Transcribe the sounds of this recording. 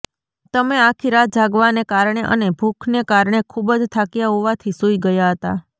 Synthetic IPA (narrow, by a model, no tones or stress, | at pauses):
t̪əmeakʰiɾad͡ʒaɡʋanekaɾɳ̃eʔə̰nebʱukʰnekaɾɳ̃ekʰubəd͡ʒt̪ʰakjaɦoʋat̪ʰisuiɡəjaɦət̪a̰